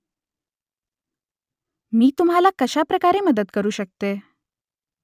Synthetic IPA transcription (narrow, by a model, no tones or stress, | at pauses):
miːt̪umɦalakəɕapɾəkaɾeməd̪ət̪kəɾuːɕək̚t̪e